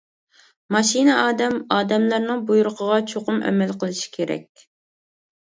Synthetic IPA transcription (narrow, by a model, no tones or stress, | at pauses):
mɑʃinɨʔɑːd̪ɛmɑːd̪ɛmlæɾnɨŋbujuɾʊqʰəʁɑt͡ʃʰoqʊmɛ̰mɛlqəlˠɨʃi̥kʲʰeɾɛ̰kʲ